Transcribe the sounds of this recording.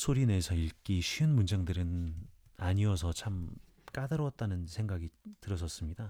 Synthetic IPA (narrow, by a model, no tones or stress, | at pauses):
sʰoɾine̞sʰʌiɭk͈iɕʰɥiɯnmund͡ʑaŋdɯɾɯn | aɲiʌsʰʌt͡ɕʰam | k͈adɯɾot̚t͈anɯnsʰe̞ŋɡaɡitɯɾʌs͈ʌs͈ɯmɲida